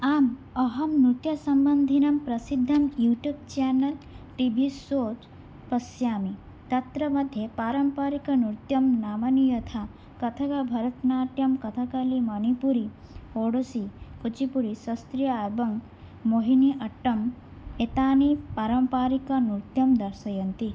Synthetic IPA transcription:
aːm | ɐɦɐmnut̪jɐsɐmbɐnd̪ʱinɐmpɾɐsid̪ʱːɐmjuːʈjuːb̚t͡ʃaːnɐlʈibʱisoːt͡ʃ | pɐsjaːmi | t̪ɐt̪ɾɐmɐd̪ʱːjepaːɾɐmpaːɾikɐnuɾt̪jɐmnaːmɐnijɐt̪ʰa | kɐt̪ʰɐkabʱɐɾɐt̪naːʈjɐmkɐt̪ʰɐkɐlimɐnipuɾi | oːɽosikut͡ʃipuɾisɐst̪ɾijɐaːjbɐŋ | moɦiniʔɐʈːɐm | et̪aːnipaːɾɐmpaːɾikɐnut̪jɐmd̪ɐɾsɐjɐnt̪i

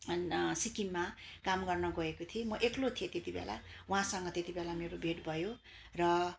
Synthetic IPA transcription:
sikimːakamɡʌrnʌɡʌekot̪ʰiemʌʔeklot̪ʰijet̪et̪ibḛla̰wɦãsʌŋɡʌt̪et̪ibelameɾobʱeʈbʱʌjo | rʌ

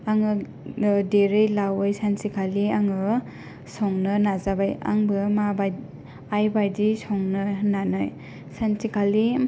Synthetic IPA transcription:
aŋɯ | deɾɯjlawɯjsansikʰaliaŋɯ | sɔŋnɯnazabaja̰ŋbɯmabaj | ajbajdisɔŋnɯnanɔj | sansikʰali

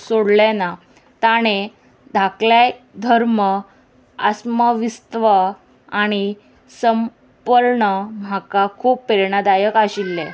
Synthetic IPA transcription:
soɽlena | t̪aɽ̃e | d̪ʱakla | d̪ʱəɾmə | asməʋist̪ʋə | aɽ̃i | səm | pəlɳəm̤akakʰuːpːeɾɳ̃ad̪ajəkaɕilːe

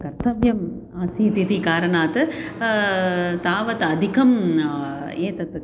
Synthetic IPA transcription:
kɐɾt̪ɐʋjɐm | aːsiːt̪it̪ikaːɾɐɳaːt̪ɨ | t̪aːʋɐt̪ɐd̪ʱikɐm | eːt̪ɐt̪

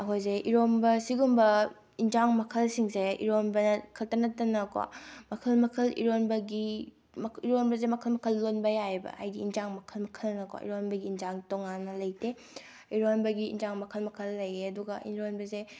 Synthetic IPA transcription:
ɐkʰojzeʔiɾonbɐsiɡumbɐ | inzaŋmɐkʰɐlsiŋseḭɾonbɐnɐkʰɐltɐnɐtːɐnɐkwa̰mɐkʰɐlmɐkʰɐlḭɾonbɐɡi | mɐiɾonbɐzemɐkʰɐlmɐkʰɐlːonbɐjabɐ̰a̰jdiːnzaŋmɐkʰɐlmɐkʰɐlnɐkwa̰ʔḭɾonbɐɡiːnzaŋtoŋanːɐlɐjte | iɾonbɐɡḭːnzaŋmɐkʰɐlmɐkʰɐlːɐjeɐduɡɐʔiɾonbɐse

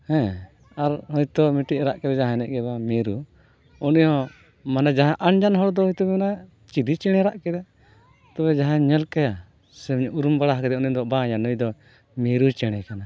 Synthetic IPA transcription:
hɛ̃ | aɾhɔjt̪ɔmiʈiʔɾaʔkɛd̪ɛd͡ʒaɦãnɛʔɡɛbameɾu | ɔnijɔ̃ | manad͡ʒaɦãʔaɳd͡ʒanɦɔɽd̪ɔɦɔjt̪ɔbana | t͡ʃid̪it͡ʃɛɽ̃ɛɾaʔkɛd̪ɛ | t̪ɔβɛd͡ʒaɦãɲəlkaja | sɛmɲʔuɾumbaɽaɦkɛd̪ɛɔniɔd̪ɔʔbaɲanɔjd̪ɔ | meɾut͡ʃɛɽ̃ɛkana

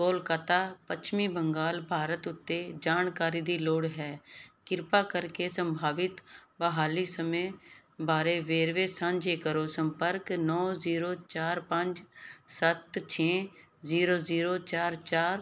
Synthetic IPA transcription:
koːlkaːt̪aːpət͡ʃʰmiːbə̃ŋɡaːlbʱaːɾət̪ʊt̪ːed͡ʒaːnkaːɾiːd̪iːloːɽɦɛːkɪɾpaːkəɾkesə̃mbʱaːʋɪt̪bəɦaːlisəme | baːɾeːʋeːɾʋeːsãːɲd͡ʒeːkəɾoːsə̃mpəɾknɔːziːɾoːt͡ʃaːɾpə̃ɲd͡ʒsət̪t͡ʃʰẽː | ziːɾoːziːɾoːt͡ʃaːɾt͡ʃaːɾ

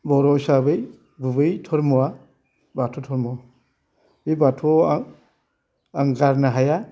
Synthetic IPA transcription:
bɔɾɔsabɯj | bɯbɯjtʰɔɾmɔwa | batʰɔtʰɔɾmɔa | bibatʰɔ | aŋɡaɾnaɦaja

